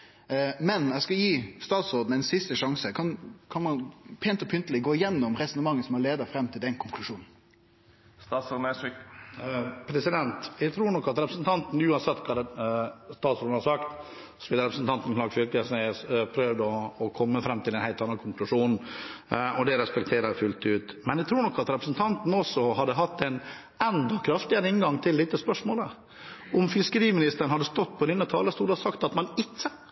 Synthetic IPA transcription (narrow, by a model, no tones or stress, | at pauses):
mɛnæɪskɑjiːst̪ɑːt̪sɾoːd̪n̩æɪnsɪst̪əʂɑŋsəkʰɑnkʰɑnmɑnpʰeːnt̪ɔpʰʏnt̪əlɪɡoːɪjɛnːɔmɾɛsɔnəmɑŋːəsɔmɑleːd̪əfɾɛmːt̪ʰɪld̪ɛnkʰʊŋkʰlʉʂuːnn̩ | st̪ɑsɔnɛsɪ | pʰɾɛsɪd̪ɛnt̪æt̪ʰɾuːɳɔkːɑt̪ɾɛpɾəsn̩t̪ʰɑnt̪n̩ʉːɑnsɛt̪ːkʰɑːd̪ɛst̪ɑːt̪sɾoːd̪n̩hɑɾsɑkt̪ | sʋɪːləɾɛpɾəsn̩t̪ɑnt̪n̩klɑːɾɡfʏɾkəsnæspʰɾøːʋd̪əɔːkʰɔmːəfɾɛmːt̪ʰɪlɛnhæɪlt̪ɑnːɑnkʰʊŋklʉʂuːn | ɔd̪ɛɾɛspɛkt̪ʰeːɾəɾfʉlt̪ʉːt̪mɛnɛɡt̪ʰɾuːɾɳɔkːɑt̪ɾɛpɾəsn̩t̪ʰɑnt̪n̩ɔsɔhɑd̪əɦɑt̪ːɛn | ɛnd̪ɔkʰɾɑft̪ɪəɾəɪnɡɑŋt̪ʰɪld̪ɪt̪ːəspœʂmoːlə | ɔmfɪskəɾiːmɪnɪst̪əɾəɳ̩hɑd̪ːəst̪ɔt̪ːpʰɔɪnːət̪ʰɑːləst̪uːd̪əhɑsɑkt̪ɑt̪mɑnɪkːə